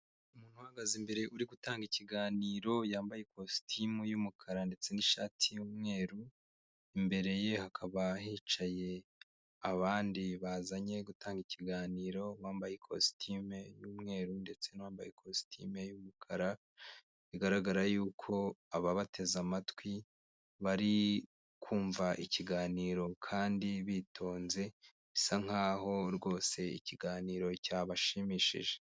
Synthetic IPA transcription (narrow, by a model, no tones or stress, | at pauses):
umuːn̥huwaaɡazimbe̞ɾe̞ʔuɾiɡutaːŋɡiciɡaːniːɾo̞jaːmbajekostʰimujumukʰaɾande̞t͡se̞niʃa̰ːtʰijuːmŋe̞ːɾu | imbe̞ɾe̞je̞hakʰaβahiːt͡ʃaje̞ | aβaːndiβazaɲe̞ɡutaːŋɡiciɡaːniːɾo̞waːmbajekʰo̰stʰimejuːmŋe̞ːɾunde̞t͡se̞nawaːmbajekʰosi̥tʰḭme̞jumukʰaɾa | βiɡaɾaɡaɾajuːkʰo̞aβaβatʰe̞zamatwi | βaɾi | kʰuːɱvaʔiciɡaːniːɾo̞kʰaːndiβitʰo̞ːnze̞ | βisaŋ̥haːho̞ɾɡo̞ːse̞ḭciɡaːniːɾo̞caːβaʃimiʃḭʒe